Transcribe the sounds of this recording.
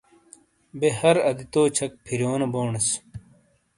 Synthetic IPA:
behɐɾɐd̪it̪oːt͡ɕʰɐk̚pʰiɾjoːnɐboːɳɐs

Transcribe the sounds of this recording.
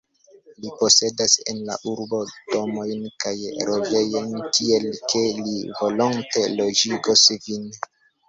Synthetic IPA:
lipo̞se̞dase̞̰nla̰ʔuɾbo̞d̥o̞mo̞jnkajɾod͡ʒe̞jojnkie̞lkʰe̞livo̞loŋte̞lo̞d͡ʒiɡosvin

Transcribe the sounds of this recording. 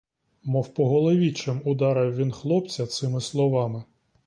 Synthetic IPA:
mɔwpɔɦɔlˠɔʋʲit͡ʃɪmʊd̪ɑɾɪwʋʲinxlˠɔpt͡sʲɐt̪sɪmɪslˠɔʋɑmɪ

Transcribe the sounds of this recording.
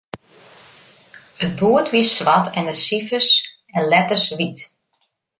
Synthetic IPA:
ət̚buətʋisʋatʰɛndəsifəs | ɛnlɛtərsʋit

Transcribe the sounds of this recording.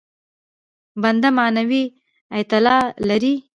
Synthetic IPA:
band̪amanawi | ajt̪ɪlɑlaɾi

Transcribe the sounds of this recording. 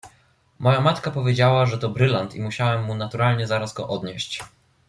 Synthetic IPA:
mɔjamat̪kapɔvʲjed͡ʑawaʐɛt̪ɔbɾɘlant̪ḭmuɕawɛmːunat̪uɾalɲɛzaɾasɡɔ̰ʔɔd̪ɲeɕt͡ɕ

